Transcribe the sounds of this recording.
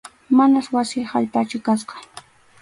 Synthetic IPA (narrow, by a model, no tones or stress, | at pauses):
manaswasɪhaʎpat͡ʃʊkasqɑ̥